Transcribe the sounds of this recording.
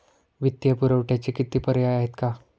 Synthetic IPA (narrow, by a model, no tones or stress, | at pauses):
ʋit̪jəpuɾəwʈjat͡ɕikit̪iːpəɾjajaɦet̪ka